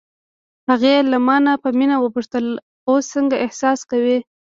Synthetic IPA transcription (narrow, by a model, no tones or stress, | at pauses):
haɣelamɑnapəminawəpuʂt̪əl | osːəŋɡaʔɪhsɑskawi